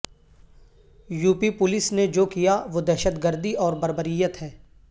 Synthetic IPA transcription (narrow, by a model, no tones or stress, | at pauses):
juːpipʊlɪsned͡ʒoːkijaʋod̪ɛːʃət̪ɡəɾd̪ʱiɔːɾbɐɾbəɾijət̪ɦɛː